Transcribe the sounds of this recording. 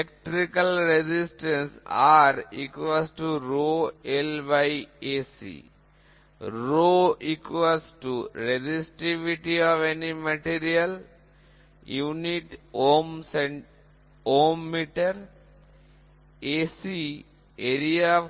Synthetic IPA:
lek̚ʈɾikɐlɾed͡ʒisʈẽnsaːɾḭkʋasʈuɾoːelbajeːsḭː | ɾoːikʋɐsʈuɾed͡ʒisʈiʋiʈiɔːʋenimɐʈiːɾijɐl | juːniʈoːmseɳ | oːmːiʈɐɾ | eːsi | eːɾia

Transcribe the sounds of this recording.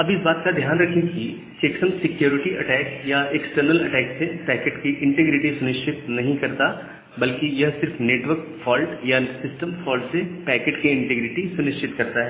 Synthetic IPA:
ɐbɪsbaːt̪̚kad̪ʱjaːnɾɐkʰẽki | seːksə̃nsɪkjoːɾɪʈiʔɐʈɛːkjaeksʈəɾnəlɐʈɛːksepɛːkeʈkiʔɪ̃ɳʈeɡɾɪʈisʊnɪʃt͡ʃʰɪt̪nɐɦĩkɐɾt̪a | bɐlkijɐɦsɪɾfneːʈʋəɾkfɔːlʈjasɪsʈəmfɔːlʈsepɛːkeːʈkiɪ̃ɳʈeɡɾɪʈisʊnɪʃʈʰɪt̪kɐɾt̪aɦɛː

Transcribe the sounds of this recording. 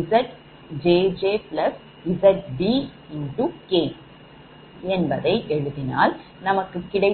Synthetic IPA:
sɐʈ | d͡ʒeːd͡ʒeːplɐs | ɪsɐʈ̚bi | ɪɳɖukeː | ɛnbɐðɐɪʔɛɻɯðɪna̰ːl | nɐmɐkːɯkɪɽɐɪ

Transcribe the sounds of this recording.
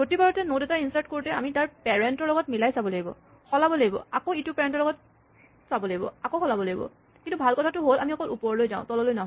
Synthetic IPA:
kotibaɹɔtɛnodɛtaɹinsaɹt̚koɹtɛa̰mitaɹpɛɹɛntɔɹlɔɡɔt̚milajsabɔlaɡibɔ̰ | xɔlabɔlaɡibɔ̰akoitupɛɹɛntɔɹlɔɡɔt̚ | sabɔlaɡibɔ̰akoxɔlabɔlaɡibɔ̰ | kintubʱalkɔtʰatʊɦolamiɔkɔlupɔɹlojzã̰ʊ̃tɔlɔlojnaɦɔ

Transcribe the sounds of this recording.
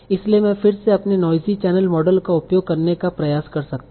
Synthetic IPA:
ɪsliemɛ̃fɪɾseɐpnenɔːjzit͡ʃɛːnəlmɔːɖəlkaʊpjoːɡ̚kɐɾnekapɾɐjaːskɐɾsɐkt̪

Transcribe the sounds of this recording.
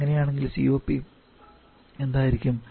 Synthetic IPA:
ŋːɐnejaːɳe̞ŋɡilsḭːo̞ːpːi | e̞nd̪aːjiɾikʲːum

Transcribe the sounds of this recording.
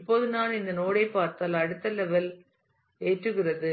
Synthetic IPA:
ɪpːoːðɯnaːnɪnd̪ɐnoːɽɐɪpːaːɾt̪aːlɐɽɯt̪ːɐlɛʋɐl | eːʈrɯɣɪrɐðɯ

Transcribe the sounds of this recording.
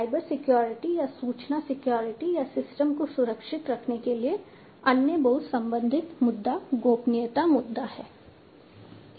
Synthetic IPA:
aːɪbəɾsɪkjoːɾɪʈijasuːt͡ʃnasɪkjoːɾɪʈijasɪsʈəmkosʊɾəkʃɪt̪ɾɐkʰnekelie | ɐnjəbɐɦʊt̪sɐ̃mbə̃nd̪ʱɪt̪mʊd̪ːaɡoːpnɪjət̪amʊd̪ːahɛː

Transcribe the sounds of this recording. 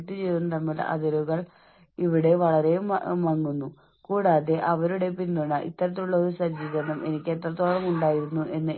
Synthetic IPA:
ʈːɨt͡ɕe̞jt̪unːɐt̪ɐmːilɐ̰ðiɾɣɐɭ | iʋiɽe̞ʋɐɭɐɾejummʋɐŋːunːu | kuːɽaːðe̞ʔɐʋɐɾuɽe̞pinnːuɳːɐʔḭt̪ːɐɾɐt̪ːiuɭːɐoɾusɐd͡ʑiːðɐɳɐmʔe̞nikʲːe̞t̪ːrɐt̪ːoːɭɐmuɳɖaːjiɾunːuʔe̞nːɨ

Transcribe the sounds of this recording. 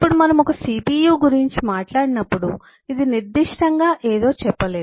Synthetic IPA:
ipːuɽumɐnɐmɔkɐsipiːjuːɡuɾiɲt͡ʃimaːʈlaːɽinɐpːuɽu | id̪iniɾd̪iʂʈɐŋɡaːʔeːd̪o̞ːt͡ʃɛpːɐleːd̪

